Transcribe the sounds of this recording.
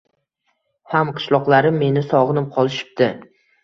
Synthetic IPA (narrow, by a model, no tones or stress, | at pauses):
hamqʰɨ̥ʃlˠɒqlˠaɾɪmːe̞nɪsɒʁnɪmqʰɒlˠɪʃɪ̥p̚d̪̥ɪ